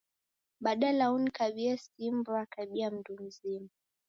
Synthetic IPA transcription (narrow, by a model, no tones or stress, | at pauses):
ɓaɗalaunikaɓiasimbuakaɓiam̩dum̩zima